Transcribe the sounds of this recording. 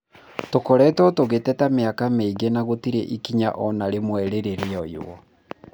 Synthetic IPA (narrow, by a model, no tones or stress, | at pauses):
tokɔɾɛtɔtoɣetɛtameakameiɡenaɣotiɾeʔikiɲa̰ʔɔnaɾemwɛɾeɾeɾeɔiwɔ̰